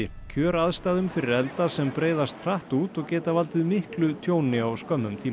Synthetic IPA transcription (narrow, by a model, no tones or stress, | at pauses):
ɪ | cʰœːɾaðst̪aːðʏmfɪɾɪɾɛlt̪asɛmpɾeːjðast̪r̥aht̪uːt̪ɔɣcɛːt̪avalt̪ɪðmɪhklʏt̪ʰjoːwnɪawskœmːʏmt̪ʰiː